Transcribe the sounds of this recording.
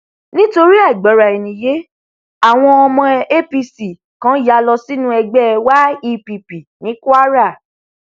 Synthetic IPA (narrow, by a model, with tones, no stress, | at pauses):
nĩ˦to˧ɾi˦a˦˨ɡ͡bɔ˨˦ɾa˨i˨nĩ˨je˨˦ | a˦˨w̃ɔ̃˧ɔ˧mɔ̃˧e˦pi˧si˨ | kã˦ja˧˦lɔ˧si˦nũ˦ɛ˧ɡ͡bɛ˦˧wa˦i˧pi˨pi˨nĩ˨˦ku˦a˦ɾa˦˨